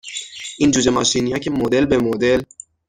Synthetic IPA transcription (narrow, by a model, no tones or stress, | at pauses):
ʔiːnd͡ʒuːd͡ʒemɑʃinijæcʰemod̪elbemod̪el